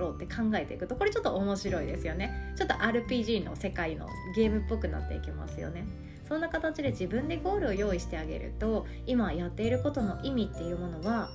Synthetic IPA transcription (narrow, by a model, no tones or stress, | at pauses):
ɾoːt̪ːe̞kʰãŋɡae̞t̪e̞̰ikɯ̟t̪o̞ko̞ɾe̞t͡ɕo̞t̪ːoːmo̞ɕiɾo̞id̪e̞sɨjo̞ne̞t͡ɕo̞t̪ːoʔaːɾɯ̟pʲiːʑiːno̞̰se̞kaino̞̰ | ɡe̞ːmɯ̟pːo̞kɯ̟na̰t̪ːe̞̰ike̞ma̰sɨjo̞̰ne̞ | sõ̞nːakat̪at͡ɕid̪e̞ʑibɯ̟̃nd̪e̞ɡo̞ːɾɯ̟o̞jo̞ːiɕi̥t̪e̞aɡe̞̰ɾɯ̟̰t̪o̞ | imajat̪ːe̞iɾɯ̟ko̞t̪o̞no̞ʔimʲit̪ːe̞jɯ̟ːmo̞no̞βa